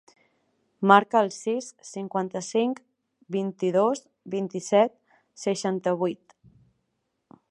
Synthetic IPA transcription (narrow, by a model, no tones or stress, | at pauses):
maɾkəːlˠsisːiŋkwant̪əsiŋk | bint̪iðos | bint̪isɛt̪̚ | səʃant̪əβ̞ujt̪